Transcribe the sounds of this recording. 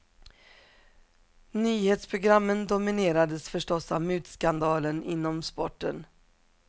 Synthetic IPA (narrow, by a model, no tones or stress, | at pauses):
nyːheːt̪spʰɾʊɡɾamːənd̪ʊmɪneːɾad̪əsfœʂʈɔsavmʉ̟ːt̪skand̪ɑːlənʔɪnːɔmspɔʈːən